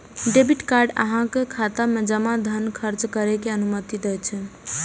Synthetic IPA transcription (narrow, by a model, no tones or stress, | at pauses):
ɖebiʈkaɾɖə̰ɦãkekʰat̪amed͡ʒəmad̪ʱənkʰəɾt͡ʃkəɾekeənumət̪id̪ɛjt͡ʃʰɛ